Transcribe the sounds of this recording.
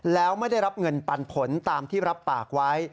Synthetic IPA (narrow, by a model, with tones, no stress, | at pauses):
lɛː˦˥wma˥˩jda˥˩jɾa˦˥p̚ŋɤ˧npa˧npʰo˩˦nt̪aː˧mt̪ʰiː˥˩ɾa˦˥pːaː˨˩k̚wa˦˥j